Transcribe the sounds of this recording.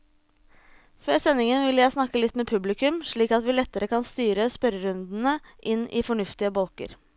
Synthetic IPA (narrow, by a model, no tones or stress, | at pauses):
føːɾsɛnːɪŋənʋɪlːəjæɪsnɑkːəlɪt̪ːmeːpʰʉblɪkʉmʂɭiːkɑt̪ʋɪːlɛt̪ːəɾəkɑnst̪yːɾəspœɾəɾʉnd̪n̩əʔɪnːʔɪ̰fɔɳʉft̪ɪəbɔlkə̰ɾ